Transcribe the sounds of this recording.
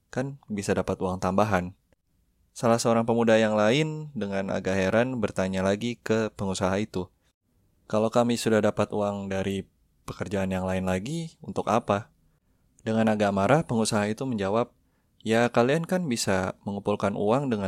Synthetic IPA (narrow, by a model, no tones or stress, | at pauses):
kanbisadapat̪uaŋt̪ambaɦan | salasaoɾaŋpəmudajaŋlaɪndəŋana̰ɡaɦeɾanbərt̪aɲalaɡikəpəŋusaɦait̪u | kalowkamisudahdapat̪uaŋdaɾi | pəkərd͡ʒaːnjaŋlaɪnlaɡiunt̪ʊka̰pa | dəŋanaɡamaɾahpəŋusaɦait̪uməɲd͡ʒawap̚ | jakaliankanbisaməŋupulkanʔṵaŋdəŋa